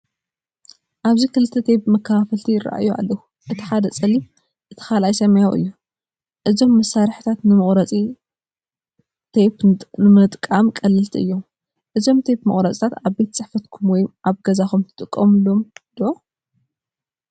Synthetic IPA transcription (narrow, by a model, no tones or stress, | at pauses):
ʔaβzikʰɨlɨt̪ʰːɐt̪ʰebmɐkʰːɐfafɐlt̪ʰijɪɾa̰ʔa̰jua̰lːɐwu | ʔɨt̪ʰi̥ħad̪ɐt͡sʼɐlːim | ʔɨt̪ʰi̥xalajsɐmɐjawʔɨ̰jːu | ʔɨzo̞mːɐsːaɾħt̪ʰat̪nɨmɨχʼɾɐt͡sʼi | t̪ʰepɨmɨt̪ʼkʼːamkʼɐlːɨlt̪ʰiʔɨ̰jːom | ʔɨzo̞mt̪ʰepmɨ̰χʼɾɐt͡sʼt̪ʰat̪aβbe̞t̪t͡sʼɨħfɐt̪kʰumwɔjʔaβɡɐzaxumt̪ʰɨt̪ʼɨkʼːɐmlomd̪̥uʔo